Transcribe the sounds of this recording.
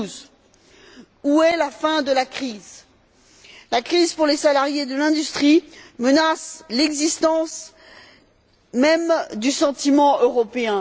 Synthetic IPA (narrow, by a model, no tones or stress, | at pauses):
z | uɛlafɛ̃d̪əlakχiz | lakχizpuʁlesalaʁjed̪əlɛ̃d̪yst̪χimənaslɛɡzist̪ɑ̃s | mɛmd̪ysɑ̃t̪imɑ̃ʔøʁɔpeɛ̃